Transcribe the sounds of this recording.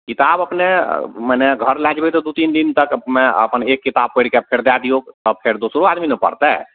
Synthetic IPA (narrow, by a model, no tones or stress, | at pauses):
kit̪abəpneməneɡʱəɾlɛd͡ʒbet̪ɔd̪ut̪ind̪int̪əkmɛ̃ə̰pənekːit̪ab̚pəɪɽkepʰeɾd̪ad̪iokt̪ɔpʰeɾd̪osɾoad̪minəpə̰ɾt̪ɛ